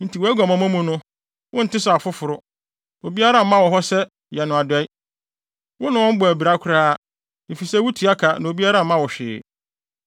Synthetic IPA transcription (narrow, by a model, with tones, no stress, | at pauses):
n̩˨tʰi˨wɔ˨˦æ˦ɡa˨mã˨mã˦mũ˦nʊ̃˦ | wʔʊ̃˦n̩˨tʰɪ˦sʊ˨a˨fʊ˦fʊ˨ɾʊ˦ | o˨bi˦a˦ɾa˦m̩˦mã˦wɔ˨ɦɔ˦sɛ˦ | jɛ˨nʊ̃˨a˨dɛ˦i˦ | wʊ˦nʊ̃˨wɔ̃˦m̩˦bɔ˨æ˨bi˨ɾa˦kʷʰʊ˦ɾaː˦ | ni˨fi˨sɛ˦wu˦tʰi˨˦a˦kʰa˨nã˨o˨bi˦a˦ɾa˦m̩˦mã˦wɔ˨ɕᶣɪ̰ː˨